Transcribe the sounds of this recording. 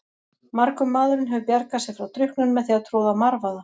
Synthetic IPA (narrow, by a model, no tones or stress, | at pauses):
maɾkʏmːaːðʏɾɪnɦɛvʏpjɛɾkasɛɣfɾawt̪ʰɾʏhknʏnmɛðθiat̪ʰɾoːwðamaɾvaða